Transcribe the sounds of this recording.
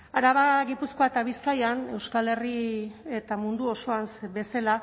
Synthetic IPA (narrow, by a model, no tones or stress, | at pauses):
aɾaβaɣipusko̞aet̪aβ̞iskajane̞wskale̞rie̞t̪amund̪uo̞so̞ansbe̞sela